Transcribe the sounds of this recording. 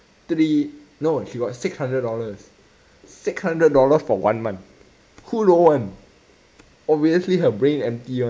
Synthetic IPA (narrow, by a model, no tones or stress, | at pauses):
t̪ɹi | noʃiɡɔt̚sɪkshãndɹəd̚dɔləs | sɪkshãndɹəd̚dɔləsfɔwã̰nmãnt̚ | huɹoə̃n | ɔviəsliɦəbɹẽnɛ̃mtiə̃